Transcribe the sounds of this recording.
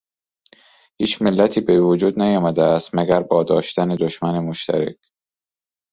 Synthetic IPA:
hiːt͡ʃmelːæt̪ʰiːbevod͡ʒuːd̪næjɒːmæd̪eæst̪mæɡæɾbɒːd̪ɒːʃt̪æned̪oʃmænemoʃt̪ʰæ̰ɾḛkʰ

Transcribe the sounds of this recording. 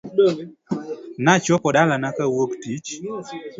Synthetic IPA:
nat͡ʃɔkɔɗalanakawoktit͡ʃ

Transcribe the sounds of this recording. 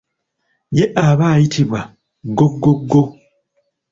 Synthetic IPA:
jeʔaβaːjitʰiβwa | ɡoɡːoɡːo

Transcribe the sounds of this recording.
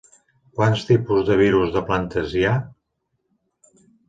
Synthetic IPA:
kwanst̪ipuzðəβ̞iɾuzðəplant̪əzja

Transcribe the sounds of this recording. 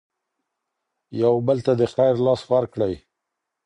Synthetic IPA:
jawbəlt̪ad̪əxajɾlɑsxwaɾkɽəj

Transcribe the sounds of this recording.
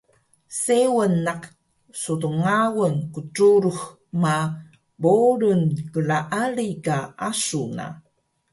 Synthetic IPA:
sewənːaq | sutuŋawənkutuɾux | ma | boɾunkəɭaʔaɭikaasuna̰

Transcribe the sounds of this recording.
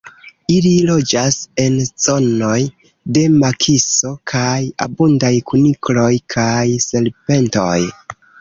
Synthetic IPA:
ililo̞d͡ʒase̞nz̥o̞no̞j | de̞makʰiso̞kʰaja̰bundajkuniklo̞jkʰajse̞lpe̞nto̞̰j

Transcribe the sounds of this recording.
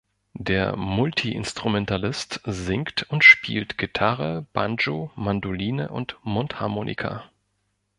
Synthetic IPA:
deːɐmʊltʰiʔɪ̰nstʁ̥umɛntalɪstzɪŋktʊntʃpʰiːltɡ̥itʰaʁəb̥a̰nd͡ʒomandoliːnə̰ʔʊ̰ntmʊnthaɐmoːnʔḭkʰa̰

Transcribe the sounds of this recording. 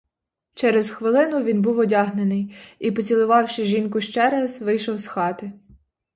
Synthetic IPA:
t͡ʃɛɾezxʋɪlˠɪnʊʋʲinbuwɔdʲɑɦnenɪjipɔt͡sʲilˠʊʋɑwʃɪʒʲinkʊʃt͡ʃɛɾɑzʋɪjʃɔwsxɑt̪ɪ

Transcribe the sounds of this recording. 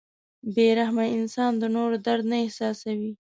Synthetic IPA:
beɾahmaɪnsɑnd̪ənoɾod̪aɾd̪naɪhsɑsawi

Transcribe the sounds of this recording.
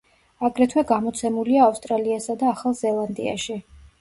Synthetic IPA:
aɡɾɛt̪ʰwɛɡamɔt̪sʰɛmuliaːfst̪ʼɾaliasad̪aːχalˠzɛlˠand̪ḭa̰ʃi

